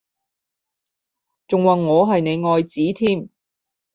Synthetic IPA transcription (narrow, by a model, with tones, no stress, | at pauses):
t͡sʊ˨ŋwaː˨˩nŋɔː˨˧ɦɐ˨jne˨˧jŋɔː˨˧jt͡siː˨˥t̪ʰiː˥m